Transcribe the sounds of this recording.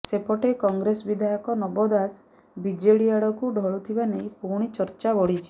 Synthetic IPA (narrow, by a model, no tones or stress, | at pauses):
sepɔʈekɔŋɡɾesbid̪ʱajɔkɔnɔbɔd̪as | bid͡ʒeɽiaɽɔkuɖʱɔɭut̪ʰibanejpuɾɽ̃it͡ʃɔɾt͡ʃabɔɽit͡ʃʰi̥